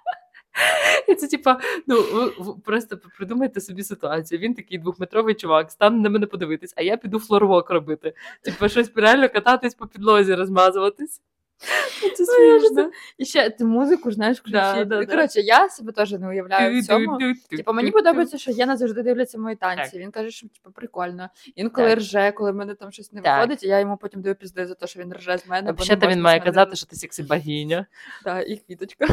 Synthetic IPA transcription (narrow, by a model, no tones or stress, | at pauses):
it̪sɛtʲipɐnuʋɪʋpɾɔst̪ɐpɾɪd̪umɐjet̪ɛsɔbʲisɪt̪ʊɑt͡sʲijuʋʲint̪ɐkʲɪjd̪ʋuxmɪt̪ɾɔʋɪjt͡ʃʊʋɑkst̪ɑnnɛmɛnɛpɔd̪ɪʋɪt̪ɪsʲɐjapʲid̪uflˠɔɾɔʋɔkɾɔbɪt̪ɪtʲipɐʃɔsʲpʲɪɾealʲnɔkɐt̪ɑt̪ɪsʲpɔpʲid̪lˠɔzʲiɾɔzmɑzʊʋɐt̪ɪsʲ | isɛsmɔʒnɔiʃt͡ʃɛt̪ɪmuzɪkʊʒnajeʃkd̪ad̪ɔɾɔt͡ʃɪjasɐbɛt̪ɔʐɨnɛʊjɐʋlʲajʊt͡sʲɔmʊipɐmenʲipɔd̪ɔbbɐjet͡sʲːɐʃɔjɛnɐzɐʋʐd̪ɪd̪ɪwlʲɐt͡sʲːɐʋmɔjit̪ɑnʲsʲiiʋʲinkɑʒɛʃɔtʲi̥pɐpɾɪkolʲnɔ | ʋʲinkɔlˠɪrʒɛkɔlˠɪmɛnɛt̪amʃɔsʲnɛʋxɔd̪ɪtʲɐjajɔmupɔtʲimd̪ɐjupʲizd̪ɪjuzɐt̪ɔʃɔʋʲinrʐɛzmɛnɛbɐɔʃːɛt̪ɐinmajɛkɐzat̪ːɪʃɔt̪ɪsʲɛksɪbɐɦʲinʲɐd̪aʔixʋʲit̪ɔt͡ʃkɐ